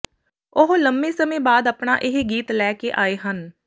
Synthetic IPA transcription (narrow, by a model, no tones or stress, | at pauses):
ʊɦləmbẽːsəmẽːbaːd̪əpɳaːʔɪɦɡiːt̪lɛːkeːʔaːeːɦən